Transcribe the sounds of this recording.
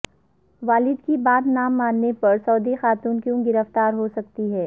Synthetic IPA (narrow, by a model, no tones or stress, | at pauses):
ʋaːlɪd̪kibaːd̪naːmːaːnːepɐɾsɔːd̪ixaːt̪uːnkjũːɡɪɾəft̪aːɾɦosɐk̚t̪iɦɛː